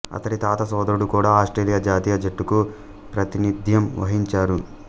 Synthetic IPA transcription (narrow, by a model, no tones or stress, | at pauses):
ɐ̰t̪ɐɽit̪aːt̪ɐsɔːd̪ɐɾuɽukuːɽaːaːsʈɾeːlijɐd͡ʒaːt̪iːjɐd͡ʒɐʈːuku | pɾɐt̪inid̪ʱjɐmʋɐ̰ɦiɲt͡ʃaːɾu